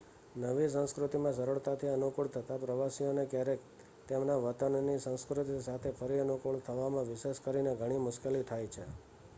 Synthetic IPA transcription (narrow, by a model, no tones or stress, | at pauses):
nəʋisə̃ñskɾʊt̪imãsəɾəɭt̪at̪ʰiənukuɭt̪ʰət̪apɾəʋasionekjaɾek | t̪emnaʋət̪ənnisə̃wskɾʊt̪isat̪ʰefʰəɾiənukuɭt̪ʰəʋamãʋɪʃeʃkəɾineɡʱəɽ̃imʊʃkelit̪ʰajt͡ʃʰe